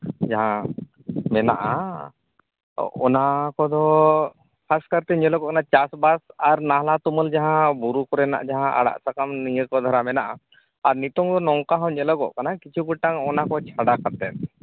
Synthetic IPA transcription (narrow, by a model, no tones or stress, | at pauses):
d͡ʒaɦã | mɛna̰ʔa̰ | ɔnakɔd̪ɔ | pʰaskaɾt̪ɛɲɔləɡɔʔkanat͡ʃasbasaɾnaɦlat̪uməld͡ʒaɦãbuɾukɔɾɛna̰ʔd͡ʒaɦãʔa̰ɽa̰ʔsakamnijəkɔd̪ʱɔɾamɛnaʔa | aɾnit̪ɔŋd̪ɔnɔwkaɦɔ̃wɲələɡɔʔkanakit͡ʃʰuɡuʈːaŋɔnakɔt͡ʃʰaɽakat̪ɛt̪̚